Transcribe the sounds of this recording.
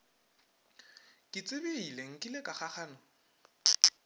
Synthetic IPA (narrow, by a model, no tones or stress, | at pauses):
kʼɪt͡sʼɪbɪileŋ̩kʼɪlekaχaχaːnɔ